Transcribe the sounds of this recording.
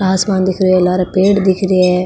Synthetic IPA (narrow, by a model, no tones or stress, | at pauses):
aːsmãːnd̪ɪkʰɾeɛːlaːɾapeːɽd̪ɪkʰɾɪɛː